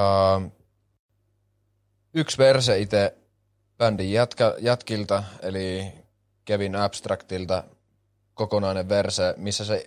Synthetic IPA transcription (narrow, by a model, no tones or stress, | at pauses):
ɑ | yksʋerseit̪e | pændijæt̪kɑjæt̪kilt̪ɑeli | kæʋinɑpst̪rɑkt̪ilt̪ɑ | kokonɑˑineʋʋersemisːæse